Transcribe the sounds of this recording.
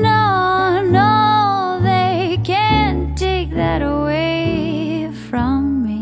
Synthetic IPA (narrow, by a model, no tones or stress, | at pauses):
noʊno | ðeɪkʰɨ̃ntʰeɪk̚ðɨɾəweɪ | fɹʌ̃mːi